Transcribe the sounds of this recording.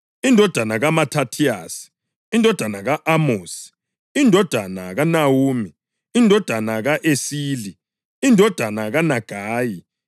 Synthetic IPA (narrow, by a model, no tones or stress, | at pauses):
indʱɔd̥ʱanaɣamatʰatʰia̰si̥ | indʱɔd̥ʱanaɣaʔamoːsi̥ | indʱɔd̥ʱana̰ɣanawuːmi | indʱɔd̥ʱanaɣaʔesiːli | indʱɔd̥ʱanaɣanaɡ̥ʱaːji